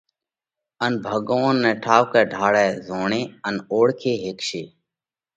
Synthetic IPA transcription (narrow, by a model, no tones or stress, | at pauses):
ənbʱəɠonːɛ̃ːʈʰaːwkɛːɖʱaːɽɛːzoːɳẽːənoːɽkʰeːɦekʃeː